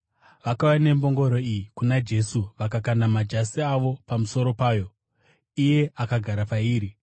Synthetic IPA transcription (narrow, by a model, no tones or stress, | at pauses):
ʋakawane̞mbo̞ŋɡo̞ɾo̞ijikunad͡ʒe̞suʋakakanamad͡ʒasiaʋo̞pamuso̞ɾo̞paːjo̞ | ije̞ʔakaɡʱaɾapaiːɾi